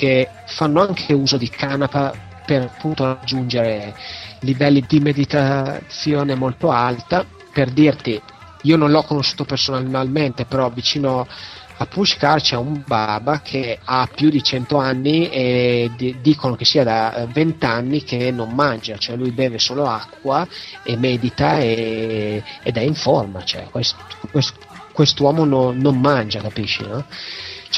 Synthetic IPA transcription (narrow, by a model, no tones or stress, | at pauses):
k̟e | fanːoaŋkʰeuːzod̪ikʰanapa | perapːunt̪orad͡ʒːund͡ʒeɾelivɛlːid̪imed̪it̪at̪sːjoːnemolt̪oalt̪a | perd̪irt̪i | iːonõnlɔkːonoʃːuːt̪opersonanalment̪epeɾɔvit͡ʃiːno | apːuʃkart͡ʃaumbaːbakʰeapːjud̪it͡ʃɛnt̪oanːie | d̪iːkonok̟esːiːad̪avent̪anːik̟enːomːand͡ʒat͡ʃoɛlujbɛːvesoːloakːwaemɛːd̪it̪ae | ed̪ɛiɱforma̰t͡ʃoɛ̰kwest̪kwest̪ | kwest̪owɔːmononommand͡ʒakapiʃːḭnɔt͡ʃ